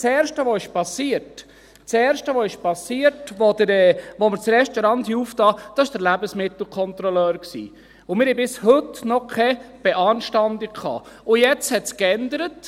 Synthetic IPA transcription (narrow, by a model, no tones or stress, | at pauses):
t͡sɛːɾʃtəʋoɪʃpɑsiːəɾt | t͡sɛːɾʃtəʋoɪʃpɑsiːəɾtʋod̪əɾɛːʋoməɾt͡sɾɛʃtɔɾɑnthiuːftɑːd̥ɑɪʃd̥əɾlæbəsmɪt̪l̩kʰɔnt̪ɾɔlœːɾksḭː | ʊmɪɾhɛbɪshɵtnɔkʰɛb̥ɛʔɑːnʃtɑnd̪ɪkkʰɑ̰ːʊjɛt͡shɛtskɛndəɾət